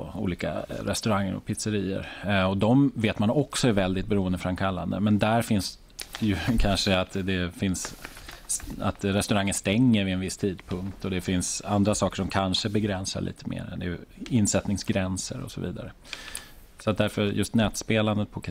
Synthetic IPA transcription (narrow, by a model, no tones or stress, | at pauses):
ṵːliːka̰ɾɛst̪ɵɾaŋːəɾɔ̰pʰɪt̪səɾiːə̰ɾɔd̪ɔmveːt̪manɔksɔæɾvɛld̪ɪt̪̚bɛɾuːənd̪əfɾamkʰalːand̪ə̰mɛnd̪æɾfɪns | jɵkʰanʂəat̪d̪ɛfɪns | a̰t̪ɾɛst̪ɵɾaŋːənst̪ɛŋːəɾvɪɛnvɪst̪ʰiːd̪pʰɵŋkt̪ɔd̪ɛfɪnsand̪ɾasɑːkəʂɔmkʰanʂəbɛɡɾɛnsa̰ɭʔḭːt̪ʰəmḛːɾɛ̰nd̪ɛjɵɪnsɛt̪nɪŋsɡɾɛnsə̰ɾɔ̰sɔvḭːd̪a̰ɾə | sɔat̪̚d̪æɾfœjɵst̪nɛːt̪speːland̪ət̪̚pʰɔkʰ